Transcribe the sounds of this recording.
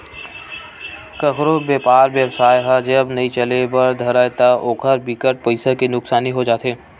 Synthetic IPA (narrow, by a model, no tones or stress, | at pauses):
kəkɾobeːpaːɾʋjəbsaːjɦad͡ʒɐbnɐĩt͡ʃɐlebɐɾd̪ʱɐɾaet̪aʔoːkʰəɾbikəʈ̚pɐɪsakenʊksaːniɦod͡ʒaːt̪eː